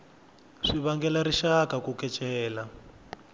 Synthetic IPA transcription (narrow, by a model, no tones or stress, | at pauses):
ʂiβaŋɡɛlaɾiʃakakukɛt͡ʃʼɛːla